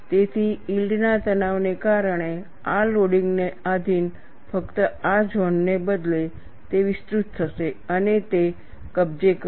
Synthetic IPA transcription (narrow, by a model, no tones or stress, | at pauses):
t̪et̪ʰiilɖnat̪ənaʋnekaɾəɽ̃e | aloɽiŋɡnead̪ʱin | fəkt̪əad͡ʒʱonːebəd̪le | t̪eʋɪst̪ɾut̪ʰːəʃeənet̪e | kəb̚d͡ʒek